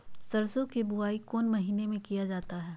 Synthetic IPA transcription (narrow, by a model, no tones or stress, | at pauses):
sɐɾsõkebʊaːikoːnmɐɦiːnemẽkijad͡ʒaːt̪aɦɛː